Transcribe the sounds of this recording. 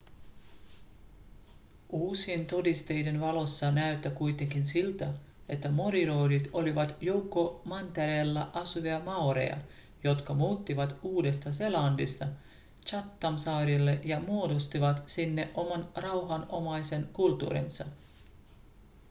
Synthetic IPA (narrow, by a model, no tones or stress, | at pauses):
uːsient̪o̞dist̪e̞jde̞nʋɑlo̞sːɑnæyt̪ːækujt̪e̞ŋk̟insilt̪æ | e̞t̪ːæmo̞ɾiɾoːdit̪o̞liʋɑt̪jo̞wkːo̞mɑnt̪eɾeːlːæʔɑsuʋiɑmɑwɾḛjɑ̰ | jo̞t̪kɑmuːt̪ːiʋɑt̪uːde̞st̪ɑse̞lɑːndist̪ɑ | t͡ʃɑt̪ːɑmsɑːɾilːe̞ʔjɑmuo̞dost̪iʋɑt̪sinːe̞ʔʔo̞mɑnrɑwɦɑnomɑjse̞nkult̪ːṵːɾḭnsɑ̰